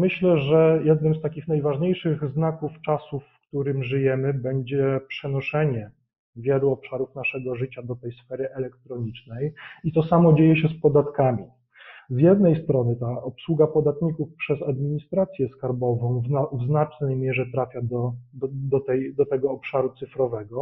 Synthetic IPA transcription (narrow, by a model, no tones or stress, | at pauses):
mɘɕlɛʐɛjɛd̪nɘmst̪akʲixnajvaʐɲejʂɘɣznakuft͡ʂasufːkt̪uɾɘmʐɘjɛmɘbɛɲd͡ʑɛpʂɛnɔʂɛɲɛ | vʲjɛluɔpʂaɾufn̪aʂɛɡɔʐɘt͡ɕad̪ɔt̪ɛjsfɛɾɘʔɛlɛk̚t̪ɾɔɲit͡ʂnɛjit̪ɔsamɔd͡ʑejɛɕɛspɔd̪at̪kamʲi | zjɛd̪nɛjst̪ɾɔnɘt̪aɔpswuɡapɔd̪at̪ɲikufpʂɛzad̪mʲiɲist̪ɾat̪sʲjɛskaɾbɔvɔ̃w̃vznavznat͡ʂnɛjmʲjɛʐɛt̪ɾafʲjad̪ɔd̪d̪ɔt̪ɛjd̪ɔt̪ɛɡɔːpʂaɾut̪sɘfɾɔvɛɡɔ